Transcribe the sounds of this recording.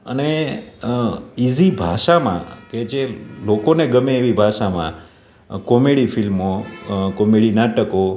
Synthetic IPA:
ə̰ne | izibʱaʃamã̰ked͡ʒelokoneɡəmeːʋibʱaʃamã̰ | kɔmeɽifilmokɔmeɽinaʈəko

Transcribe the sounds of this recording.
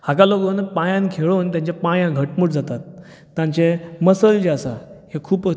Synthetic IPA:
hakaloɡənpãjãnkʰeɭuːnt̪̬jãɲt͡ɕjapajãɡʱəʈmuʈd͡zat̪at̪ː | jãɲt͡ɕeməsəld͡ʑeasahekʰuːp

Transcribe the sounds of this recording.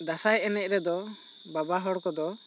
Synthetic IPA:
d̪asajɛnɛc̚ɾɛd̪ɔ | babaɦɔɽkɔd̪ɔ

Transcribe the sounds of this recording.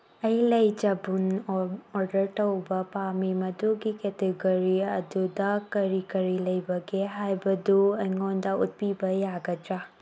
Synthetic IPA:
ɐjlɐjd͡ʒɐbunoɾdɐɾtɐwbɐpamimɐduɡiketeɡoɾiɐdudɐkɐɾikɐɾilɐjbɐɡeɦajbɐduɐjŋondɐut̚pibɐjaɡɐd͡ʒɾa

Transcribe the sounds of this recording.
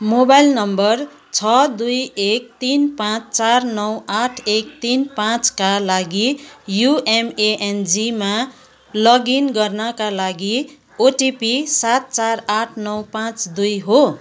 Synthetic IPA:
mobajlnʌmbʌr | t͡sʰʌd̪ujek̚t̪inpãt͡st͡sarnʌwaʈʰek̚t̪inpãt͡skalaɡijuemeʔend͡zima | lʌɡinɡʌrnʌkalaɡi | oʈipisat̪̚t͡saraʈʰnʌwpãt͡sd̪ujɦo

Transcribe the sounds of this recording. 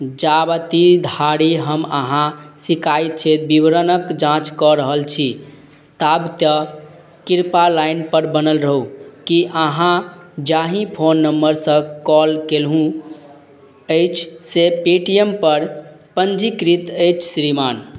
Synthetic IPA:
d͡ʒabət̪id̪ʱaɽiɦəmə̰ɦãsikajt̪̚t͡ʃʰet̪̚bibɾənəkd͡ʒãt͡ʃkɔɾəɦəlt͡ʃʰi | t̪abt̪ə | kiɾpalainpəɾbənəlɾəɦukiʔəɦãd͡ʒaɦĩpʰonːəmbəɾsə̃kɔlkelɦũ | əjt͡ʃʰsepeʈijempəɾ | pənd͡ʒikɾit̪əjt͡ʃʰsɾiman

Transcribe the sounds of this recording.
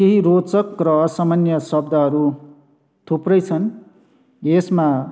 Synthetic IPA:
keɦiɾot͡sʌkrʌːsamʌnjʌsʌb̚d̪ʱaɦʌɾu | t̪ʰuprʌjt͡sʰʌn | esma

